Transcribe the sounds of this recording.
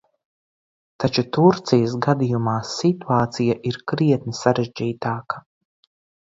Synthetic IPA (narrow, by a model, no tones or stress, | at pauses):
t̪at͡ʃut̪uɾt̪sijəsɡad̪ijumaːsːit̪uaːt̪sijaʔiɾkɾiɛt̪̚nisaɾeʒd͡ʒiːt̪aːkɐ̥